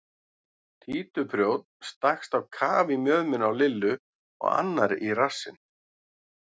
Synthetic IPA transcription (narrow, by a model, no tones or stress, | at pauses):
t̪ʰiːt̪ʏpʰɾjoːwt̪̚nst̪axst̪awkʰaːvimjœːðmɪnawlɪlːʏ | ɔ̰ɣa̰nːaɾirasːɪn